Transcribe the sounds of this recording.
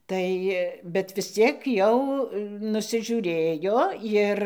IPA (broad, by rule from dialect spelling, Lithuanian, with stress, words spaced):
ˈtɐɪ bʲɛt ʋʲɪs ˈt͡sʲiɛk jɛʊ nʊsʲɪˈʒʲuːrʲeːjoː ˈɪr